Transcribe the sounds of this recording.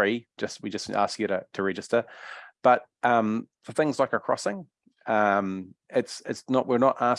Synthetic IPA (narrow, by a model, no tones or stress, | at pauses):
i̥ʒ̥ʌst̚wid͡ʒʌsa̰skjɨɾətʰəɹɛd͡ʒɪstəb̥ʌʔ̚ʌ̃mðə˞θɪ̃ŋzlaɪkə˞kʰɹ̥ɔ̰sɪ̃ŋ | ʌ̃mɪtsɪ̰tsnəʔwɪɹnəʔʔa